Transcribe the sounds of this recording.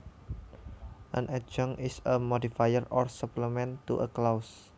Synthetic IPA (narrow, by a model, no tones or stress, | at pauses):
ʔə̰̃nʔɛd͡ʒɔŋɪsəmɔdifajərɔrsəpləmɛ̃nt̪ṵʔəklaws